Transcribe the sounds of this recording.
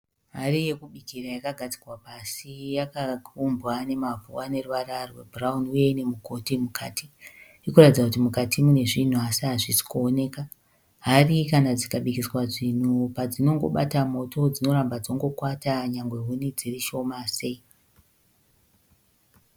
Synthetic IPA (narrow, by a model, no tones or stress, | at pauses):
marije̞kuɓikirajakaɡʱad͡zi̥rwapasijakakʰumbwane̞mavuane̞ruʋararwebraunuje̞ine̞muko̞timukʰaːti | ikuratid͡zakutimukatʰimune̞ʐin̤uasiɦaʐisi̥kuone̞ːka | ɦarikanad͡zikaɓikiswaʐin̤upad͡zino̞ŋɡo̞̰ɓa̰tamo̞tod͡zino̞ɾambad͡zo̞ŋɡo̞kwataɲaŋɡwe̞ɦunid͡ziriʃo̞mase̞i